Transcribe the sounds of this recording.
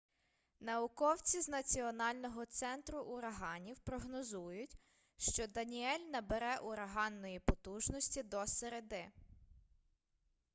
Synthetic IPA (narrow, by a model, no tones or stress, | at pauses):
nɐʊkɔwt͡sʲiznɐt͡sʲiɔnɑlʲnɔɦɔt̪sɛnt̪ɾʊʔʊɾɐɦɑnʲiwpɾɔɦnɔzujʊtʲ | ʃt͡ʃɔd̪ɐnʲiɛlʲnɐbeɾɛʔʊɾɐɦɑnːɔjipɔt̪uʒnɔsʲtʲid̪ɔseɾed̪ɪ